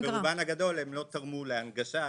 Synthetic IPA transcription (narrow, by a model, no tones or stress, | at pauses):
beʁubanaɡad̪o̞lhemlo̞t̪aʁmuleaŋɡaʃa